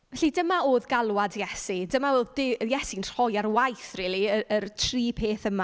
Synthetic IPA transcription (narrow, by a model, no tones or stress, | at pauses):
vɛɬidəmaoːðɡalˠwadjɛsidəmaoːðdɪjɛsinr̥ɔjarwajθrɪːlˠiəərtʰriːpʰeːθəma